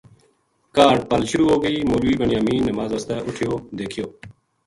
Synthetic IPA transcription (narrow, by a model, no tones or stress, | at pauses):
kaːɖpəlʃʊɾuːɦoːɡəiːmoːluiːbəɳɪjaːmĩːnəmaːzəst̪ɛːʔʊʈʰɪjoːd̪eːkʰɪjoː